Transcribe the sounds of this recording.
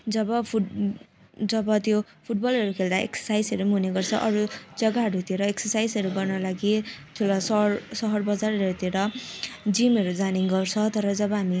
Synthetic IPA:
d͡zʌbʌpʰu | d͡zʌbʌt̪jopʰuʈ̚bʌlʌɾukʰeld̪aʔḛksʌ̥sajsʌɾumuneɡʌrt͡sʰʌʔʌɾud͡zʌɡaɦʌɾut̪ieɾʌeksʌrsajsʌɾuɡʌrnʌlaɡit̪ʰulasʌrsʌɦʌrbʌd͡zaɾʌʌɾut̪ieɾʌd͡zimʌɾud͡zaniŋɡʌrt͡sʰʌt̪ʌɾʌd͡zʌbʌɦami

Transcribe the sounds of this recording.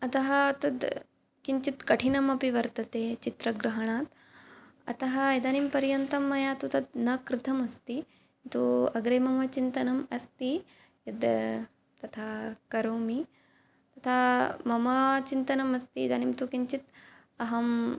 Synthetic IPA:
ɐt̪ɐɦɐt̪ɐd̪ | kiɲt͡ʃit̪kɐʈʰinɐmɐpiʋɐɾt̪ɐt̪eːt͡ʃit̪ɾɐɡɾɐɦɐɳ̃aːt̪ | ɐ̰t̪ɐɦɐed̪aːnimpɐɾjɐnt̪ɐmːɐjaːt̪ut̪ɐd̪nɐkɾɪt̪ʰɐmɐst̪i | t̪uɐɡɾeːmɐmɐt͡ʃint̪ɐnɐmɐst̪i | jɐd̪ | t̪ɐt̪ʰaːkɐɾoːmi | t̪ɐt̪ʰamɐmɐt͡ʃint̪ɐnɐmɐst̪iːd̪animt̪ukiɲt͡ʃit̪ | ɐɦɐm

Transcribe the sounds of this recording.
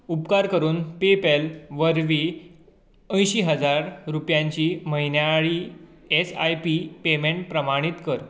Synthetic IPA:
upkaɾkəɾuːnpepelʋəɾʋi | ə̃j̃ɕiːɦəd͡zaɾɾupjãɲt͡ɕiːməɦinjaɭiː | esajpipemẽɳʈpɾəmaɽ̃it̪kəɾ

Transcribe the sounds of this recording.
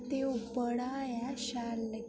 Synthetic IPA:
t̪eupəɽajaɕalːə

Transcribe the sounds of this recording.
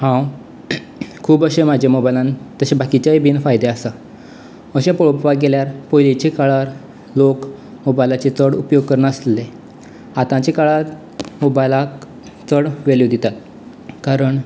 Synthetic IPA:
hãw | kʰuːbəɕem̤ad͡ʑjemobajlãnt̪əɕẽbakit͡ɕaebʱiːnfajd̪easa | əɕẽpoɭpʋaɡeljaɾpojlet͡ɕekaɭaɾ | lok | mobajlat͡ɕet͡səɽupjoɡ̚kəɾɳəsle | at̪ãt͡ɕekaɭaɾ | mobajlak | t͡səɽʋelod̪it̪at̪̚ | kaɾəɳ

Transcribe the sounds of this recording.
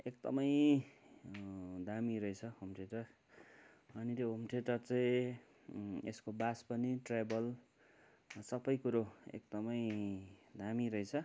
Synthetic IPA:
ek̚d̪ʌmʌj | d̪amiɾʌjt͡sʰʌɦumʈeʈʌr | ʌnit̪joɦumʈeʈʌrt͡saĩ | eskobaspʌniʈrajbʌl | sʌbʌjkuɾoḛk̚d̪ʌmʌj | d̪amiɾʌit͡sʰʌ

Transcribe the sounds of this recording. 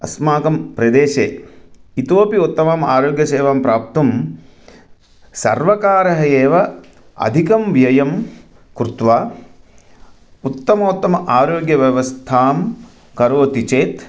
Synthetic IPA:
ɐ̰smaːkɐmpɾɐd̪eːʃeːit̪oːpiut̪ːɐmaːmaːɾoːɡjɐseːʋaːmpɾaːp̚t̪ɐm | sɐ̰ɾʋɐkaːɾɐɦɐjeːʋɐ | ɐ̰d̪ʱikɐmʋjɐjɐm | kɾut̪ʋaː | ut̪ːɐmɐut̪ːɐmɐʔaːɾoːɡjɐʋjɐʋɐst̪ʰaːm | kɐɾoːt̪it͡ʃeːt̪

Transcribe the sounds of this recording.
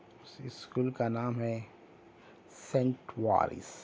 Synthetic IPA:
ʊsɪskuːlkanaːmɦɛ | sẽɳʈwa̰ːɾḭs

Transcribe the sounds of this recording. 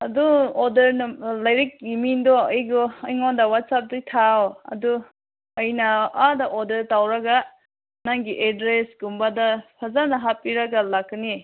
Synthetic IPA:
ɐduɔdɐɾnlɐjɾik̚imindoəjɡoəjŋondawat̚sap̚dɯtʰawɐ̰du | ʌjnaadaʔodɐɾtawɾaɡa | naŋɡiʔedɾesɡumbadapʰazanaɦapiɾaɡalakni

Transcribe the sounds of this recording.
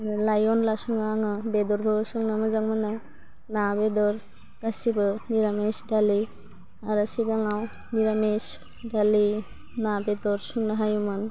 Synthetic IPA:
lajɔnlasɔŋnaɦaŋɯbedɔɾbʱɯsɔŋnɯmɯzaŋmɯnɯ | nabedɔɾ | ɡ̥asibɯniɾamesdali | aɾɯsiɡaŋaw | niɾames | dali | nabedɔɾsuŋnaɦajumɯn

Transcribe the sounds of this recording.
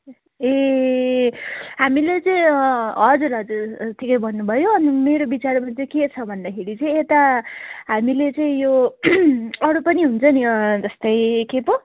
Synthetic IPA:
e | ɦamilet͡sʌĩɦʌd͡zuɾɦʌd͡zurt̪ʰikʌjbʱʌnːubʱʌjoʌnimeɾobit͡sarmant͡sʌket͡sʰʌbʱʌnd̪akʰeɽit͡sʌĩet̪aɦamilet͡sʌĩjo | ʌɽupʌniɦunt͡sʰʌnid͡zʌst̪ʌjkepo

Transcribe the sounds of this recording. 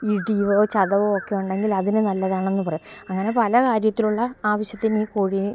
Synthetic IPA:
iɖiʋoːt͡ɕɐðɐʋookːe̞juɳɖe̞ŋɡilɐðinɨnɐlːɐðaːɳe̞nːɨpɐrɐjumɐŋːɐne̞pɐlɐkaːɾjɐt̪ːiluɭːɐaːʋɐɕjɐt̪ːiniːkoːɻi

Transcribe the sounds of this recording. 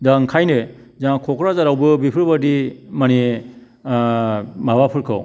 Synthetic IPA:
daŋkʰajnɯzaŋkʰɔkʰɾazaɾawbɯbipʰɯɾbadimani | mabapʰɯɾkʰɯ̰w

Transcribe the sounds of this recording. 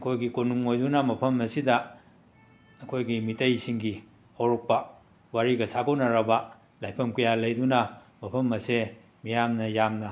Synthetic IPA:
ɐkʰojɡikonuŋojdunɐmɐpʰɐmɐsidɐ | ɐkʰojɡimitɐjsiŋɡi | hawɾɔk̚pɐ | waɾiɡɐsaɡownɐɾɐbɐ | lajpʰɐmkujalɐjdunɐ | mɐpʰɐmɐse | mijamnɐjamnɐ

